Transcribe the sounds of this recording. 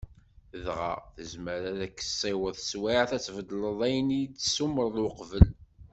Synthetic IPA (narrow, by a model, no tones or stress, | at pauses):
əðʁa̰θəzməɾæðækːə̥sˤːewəðˤswiʕθæt͡sːvəd̪ləðˤæjənijt͡sːsuməɾˤlwqvəl